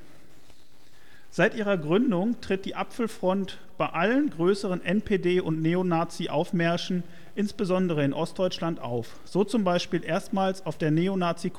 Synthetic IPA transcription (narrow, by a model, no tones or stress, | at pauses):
z̥aɪtʔiːʁɐɡʁʏndʊŋtʁ̥ɪt̚d̥iːʔapfl̩fʁ̥ɔnt | b̥aɪʔalənɡʁøːsəʁ̞ənʔɛnpʰeːdeːʔʊntneːonaːt͡siʔa̰ʊfmɛɐʃn̩ | ʔɪnsb̥əzɔndəʁ̞əɪnʔɔst̚d̥ɔʏt͡ʃlantʔa̰ʊf | z̥oːt͡sʊmbaɪʃpiːlʔeːɐstmaːlsaʊfd̥eːɐneːonaːt͡sik